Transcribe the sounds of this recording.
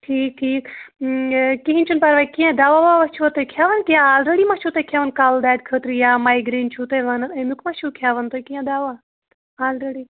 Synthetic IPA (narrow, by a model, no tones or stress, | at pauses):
ʈʰiːk̚ʈʰiːk | kiɦĩnt͡ʃʰunpaɾʋaːikijãd̪aːʋaʋaːʋɐt͡ʃʰuʋɐt̪ojkʰjaːʋɐnkijãaːlɾeɽimat͡ʃʰuːt̪ekʰjaːʋɐnkaːld̪aːd̪̚kʰəːt̪ɾijaːmaːiɡɾiːnt͡ʃʰuːt̪eʋɐnẽnukʰmat͡ʃʰuːkʰjaːʋɐnt̪okijãd̪aːʋaː | aːlɾeɽiː